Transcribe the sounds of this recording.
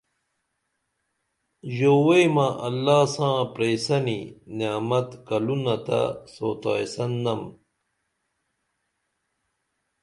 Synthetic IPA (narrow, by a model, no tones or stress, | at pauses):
ʑoːwejmɐ̃ʔɐlːaːsãːpɾesɐninjaːmɐt̪kɐlunɐt̪ɐ̰soːt̪aːjsɐnːɐm